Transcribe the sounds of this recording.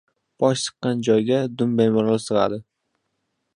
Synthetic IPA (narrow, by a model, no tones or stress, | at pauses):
b̥ɒʃsɨ̥qːɑnd͡ʒɒjɡʲad̪ʊmbajmɒɾlɑsɨʁɑ̰d̪ɪ